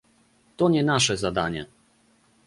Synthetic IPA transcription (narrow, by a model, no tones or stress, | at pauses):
t̪ɔɲɛnaʂɛzad̪aɲɛ̰